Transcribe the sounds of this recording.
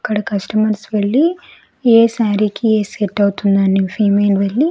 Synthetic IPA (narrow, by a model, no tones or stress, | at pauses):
kːɐɽɐkɐsʈɐmɐɾsʋeɭːi | eːsaːɾikieːseʈːɐwut̪und̪aːnːiʋpʰiːmeːnʋeɭːi